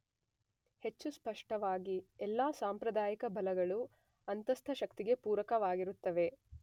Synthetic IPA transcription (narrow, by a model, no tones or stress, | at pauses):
he̞t͡ʃːuspɐʂʈɐʋaːɡiɛlːaːsaːmpɾɐd̪aːjikɐbɐlɐɡɐɭu | ɐnt̪ɐst̪ʰɐʃɐk̚t̪iɡe̞puːɾɐkɐʋaːɡiɾut̪ːɐʋe̞